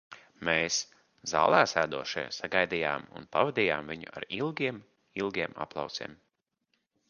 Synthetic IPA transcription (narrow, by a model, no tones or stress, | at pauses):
meːs | za̰ːlˠæːsæːd̪uɔʃɛ̰jsaɡajd̪ija̰ːmṵnpavad̪ʲija̰ːmviɲṵa̰ɾilˠɡʲiɛm | ilˠɡʲiɛma̰plˠɑ̰wt̪sḭːm